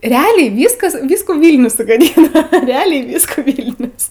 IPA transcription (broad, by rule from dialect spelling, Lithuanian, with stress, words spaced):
rʲɛˈɑːlʲɛɪ ˈʋʲiːskɐs ˈʋʲiːskuː ˈʋʲiːlʲnʲʊs sʊɡɐˈdʲiːnɐ rʲɛˈɑːlʲɛɪ ˈʋʲiːskuː ˈʋʲiːlʲnʲʊs